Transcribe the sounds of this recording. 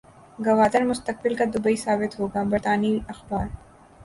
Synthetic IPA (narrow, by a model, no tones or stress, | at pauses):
ɡɐʋaːd̪əɾmʊst̪əq̚bɪlkad̪ʊbəisaːbɪt̪ɦoːɡaːbɐɾt̪aːniɐxbaːɾ